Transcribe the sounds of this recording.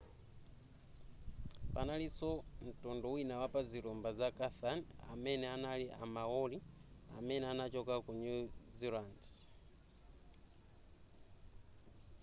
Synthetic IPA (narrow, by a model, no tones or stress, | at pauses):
panalisɔn̩tɔndɔwinawapaziɾɔmbazakaθana̰mɛnɛanaliʔa̰mawɔlia̰mɛnɛanat͡ʃɔkakuɲuziɾand